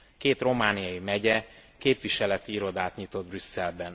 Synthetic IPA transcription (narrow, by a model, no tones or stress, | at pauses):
keːt̪ro̞maːnijɒjimɛɟɛkeːpʋiʃɛlɛt̪iiɾo̞d̪aːt̪ɲit̪o̞d̪̚brysːɛlbɛn